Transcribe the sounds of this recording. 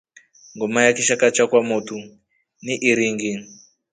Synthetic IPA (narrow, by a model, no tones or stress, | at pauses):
ŋɡumajakiʃakat͡ʃakwamotu | niʔiɾiŋɡi